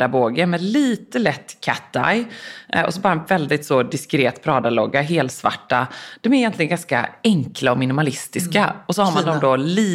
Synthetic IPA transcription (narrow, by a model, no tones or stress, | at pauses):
d̪aboːɡəɾmɛliːt̪əlɛt̪ːkʰat̪ːa̰jɔ̰sɔbɑːɾaɛnvɛld̪ɪt̪sɔd̪ɪskɾeːt̪pʰɾɑːd̪alɔ̰ɡːaɦeːlt̪sva̰ʈːad̪̥ɔmɛɾɪjɛnt̪lɪɡənŋɡanska̰ɛŋklaɔmɪnɪmalɪst̪ɪskaɔsɔhaɾmand̪ɔmd̪ɔliː